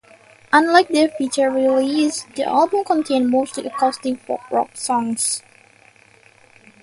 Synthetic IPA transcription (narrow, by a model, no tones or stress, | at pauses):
ʔə̃nlaɪk̚dəfit͡ʃə˞ɹilisd̪ḭʔa̰lˠbə̃mkɔ̃ntʰẽnmostliʔəkʰɔstɪ̃ŋfɔ̰k̚ɹɔ̰k̚sɔ̃ŋs